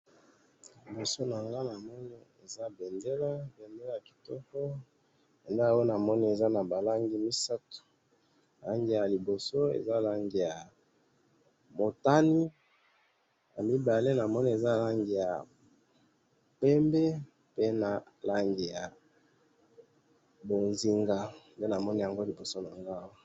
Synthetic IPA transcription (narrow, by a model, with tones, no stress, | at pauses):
li˨bo˨so˦na˨ŋɡa˦na˨mɔ˦ni˦e˨za˦be˨nde˦la˦be˨nde˦la˦˨a˨ki̥˨tɔ˦kɔ˦ | pe˨nda˦˨wo˦na˨mɔ˦ni˦e˨za˦na˨ba˨la˦ŋɡi˦mi˦sa˦tu̥˨ | la˦ŋɡi˨ja˨li˨bo˨so˦ḛ˨za˦˨la˦ŋɡi˨ja˨ | mo˨ta˦ni˦ | na˨mi˦ba˨le˦na˨mɔ˦ni˦e˨za˦˨la˦ŋɡi˨ja˨ | pɛ˦mbɛ˦ | pe˦na˨ | la˦ŋɡi˨ja˨ | bo˨nzi˨ŋɡa˨nde˦na˨mɔ˦ni˦ja˨ŋɡo˦li˨bo˨so˦na˨ŋɡa˦wa˦